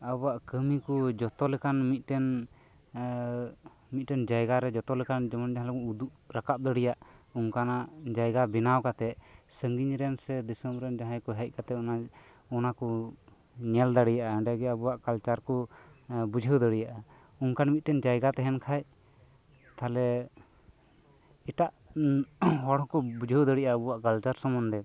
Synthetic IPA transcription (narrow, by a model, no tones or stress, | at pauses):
abɔwaʔkəmikɔd͡ʒɔt̪ɔlɛkanmit̪̚ˀʈɛn | mit̪̚ʈɛnd͡ʒajɡaɾɛd͡ʒɔt̪ɔlɛkand͡ʒɔmɔnd͡ʒaɦalkuud̪uʔɾakap̚d̪əɽijaʔuŋkanaʔd͡ʒajɡabinawkat̪ɛʔsəŋɡiɲɾɛnsɛd̪isəmɾɛnd͡ʒaɦãjkɔɦɛc̚ˀkat̪ɛɔna | ɔnakɔ | ɲɛld̪aɽijaʔaəɳɖaɡɛəbuwaʔkalt͡ʃaɾkɔ | bud͡ʒʱəwd̪əɽijaʔa | uŋkanmit̪̚ʈɛnd͡ʒajɡat̪ɛɦɛnkʰaj | t̪alɛ | iʈaʔ | ɦɔɽɔkɔbud͡ʒʱəwd̪əɽijʔaəbuwaʔkalt͡ʃaɾsɔmɔnd̪ɛ